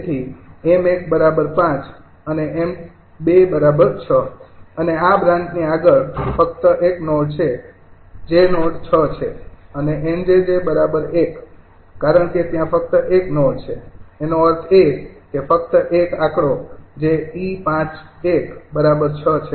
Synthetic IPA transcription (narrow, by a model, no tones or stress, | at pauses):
t̪ʰiemek̚bəɾabəɾpãt͡ʃ | əneʔem | bebəɾabəɾt͡ʃʰəəneabɾãnd͡ʒniaɡəɭfək̚t̪əʔeknɔɽt͡ʃʰe | d͡ʒenoʈt͡ʃʰət͡ʃʰeəneʔemd͡ʒed͡ʒebəɾabəɾekː | aɾəɳket̪jãfək̚t̪əʔeknɔɖt͡ʃʰeːnoəɾt̪ʰekefək̚t̪əʔekakɽod͡ʒeipãt͡ʃekbəɾabəɾt͡ʃʰət͡ʃʰe